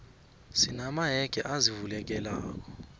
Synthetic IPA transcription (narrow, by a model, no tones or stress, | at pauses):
sinamaɦɛɡ̥ʱɛʔazivulɛk̬ɛla̰ːk̬ʼɔ̥